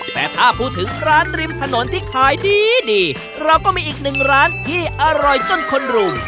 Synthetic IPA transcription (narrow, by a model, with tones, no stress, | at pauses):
t̪ɛː˨˩t̪ʰaː˥˩pʰuː˥˩t̪ʰːɯ˩˦ŋɾaː˦˥nɾi˧mt̪ʰa˧no˩˦nt̪ʰiː˥˩kʰaː˨˩˦jdiː˧diː˧ | ɾa˧wkɔː˥˩miː˧ʔiː˨˩k̚nɯ˨˩ŋɾaː˦˥nt̪ʰiː˥˩ʔa˧ɾɔ˨jt͡ɕo˥˩nkʰo˧nɾu˧m